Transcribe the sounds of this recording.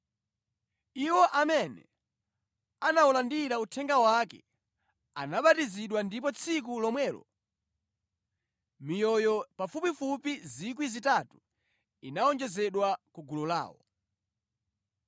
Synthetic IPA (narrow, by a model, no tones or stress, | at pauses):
iwɔʔamɛnɛ̰ | anaulandiɾautʰɛŋɡawakɛ̰ | a̰naɓatiziɗwandip̬ɔt͡sʰik̬ulɔmwɛːlɔ̰ | mijɔjɔpafupifupizik̬wizitatu̥ | inaɔnd͡ʒɛzɛɗwakuɡulɔla̰ːwɔ̰